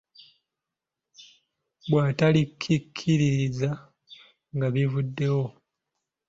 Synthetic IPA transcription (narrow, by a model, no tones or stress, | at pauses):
bwaːtalikʰːikʰːiɾiɾiza | ŋɡaβivudːe̞wo̞